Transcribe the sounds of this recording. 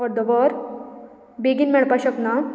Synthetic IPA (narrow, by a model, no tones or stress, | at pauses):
ɔɾd̪əʋɔɾ | beɡinmɛɭpaɕəkna